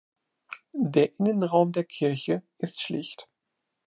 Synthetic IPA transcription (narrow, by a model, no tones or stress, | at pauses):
deːɐʔɪnənʁaʊmdeːɐkʰɪɐçəʔɪstʃlɪçt